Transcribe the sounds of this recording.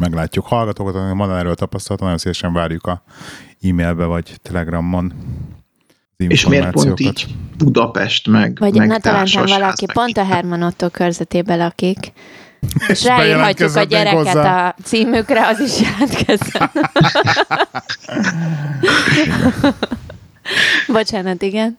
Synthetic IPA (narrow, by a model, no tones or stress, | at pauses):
mɛɡlaːcːukhɒlɡɒt̪oːkɑt̪ɑimond̪ɔnɛɾøːlt̪ɒpɒst̪ɔlɒt̪ːnɔjonsivɛʃɛɱvaːɾjukɒ | iːmeːlbɛvɒɟt̪ɛlɛɡrɒmːon | iɱefʃomeːrmaːtpoḭnjoːiːɟt̪b̥ud̪ɒpɛ̰ʃt̪mɛɡvɒɟɛnt̪ɛlɛnt̪ɛmvɒlɒkipo̞nt̪ɒɦɛrmonot̪ːokːørzɛt̪eːbɛlɒkik | eʃraːiːɦɒctuzkɒɟɛɾɛkɛt̪ɒt̪siːmykrɛɒziʃjɛlːt̪kɛzɛn | bo̞t͡ʃaːnɒt̪iɡɛn